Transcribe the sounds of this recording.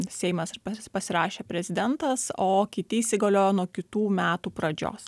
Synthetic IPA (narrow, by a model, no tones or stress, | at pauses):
sʲɛɪmɐspɐpɐsʲɪɾɑːʃʲeːpʲɾʲɛzʲɪd̪ʲɛnt̪ɐsoːkʲɪt̪ʲɪisʲɪɡɐlʲoːjoːnuɔkʲɪt̪uːmʲæːt̪uːpɾɐd͡ʒʲo̰ːs